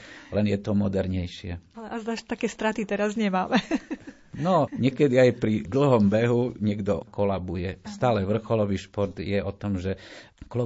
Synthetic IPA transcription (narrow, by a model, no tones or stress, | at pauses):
lɛnjɛt̪ɔmɔd̪ɛɾɲɛjʃɪɛalɛʔazd̪aʃt̪akɛːst̪ɾat̪it̪ɛɾazɲɛmaːmɛ | nɔɲɪɛkɛd̪iajpɾid̪l̩ˠɦɔmbɛɦuɲɛɡd̪ɔ̰kɔlabujɛst̪aːlɛʋr̩xɔlɔʋiːʃpɔɾt̪jɛɔt̪ɔmʒɛ | klɔ